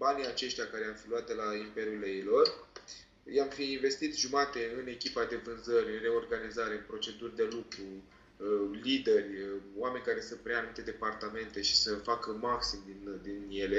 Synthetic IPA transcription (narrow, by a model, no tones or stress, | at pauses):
banijat͡ʃe̞ʃt̪ʲjakaɾe̞amfiluat̪d̪elaimpe̞ɾjuleilo̞r | jamfiːnve̞st̪it̪ʒumat̪e̞ɨne̞kʲipad̪e̞vɨnzəɾʲɨnre̞o̞rɡanizaɾe̞ɨnpɾo̞t͡ʃe̞d̪urʲd̪e̞lukɾu | lid̪e̞rʲwame̞nʲkaɾe̞sɨnt̪̚pɾeanumit̪e̞d̪e̞part̪ame̞nt̪e̞ʃi̥səfakəmaksimd̪ind̪inje̞le̞